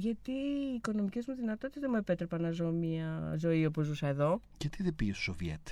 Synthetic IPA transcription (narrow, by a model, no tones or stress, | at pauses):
ʝɐt̪iːko̞no̞mice̞zmuðinɐt̪o̞t̪it̪ezðemuepe̞t̪ɾe̞pɐnɐzo̞miɐzo̞io̞po̞zːusɐe̞ðo̞ | ʝɐt̪iðepiesosovjḛt̪